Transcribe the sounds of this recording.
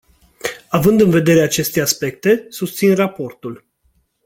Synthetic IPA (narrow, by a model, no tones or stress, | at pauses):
avɨnd̪ɨnve̞d̪e̞ɾeat͡ʃe̞st̪e̞aspe̞k̚t̪e̞sust̪sinrapo̞rt̪ul